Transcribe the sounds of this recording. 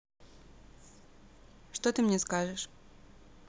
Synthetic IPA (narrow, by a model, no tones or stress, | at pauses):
ʂt̪ot̪ɨmnʲɛskaʐɨʂ